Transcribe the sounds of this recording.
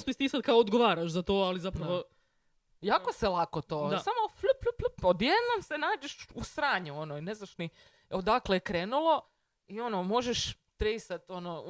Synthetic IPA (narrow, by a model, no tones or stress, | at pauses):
sp̪isʲt̪iːsad̪̚kaoːd̪ɡoʋaːɾaʃzat̪oalizapɾaʋo | jaːkoselˠakot̪oːsamoflplplpod̪jed̪nomsenaːd͡ʒeʃusɾaːɲuo̞noineznaʃni | od̪aklekɾeːnulˠo̞ | io̞nomo̞ʒeʃ | t̪ɾejsat̪o̞no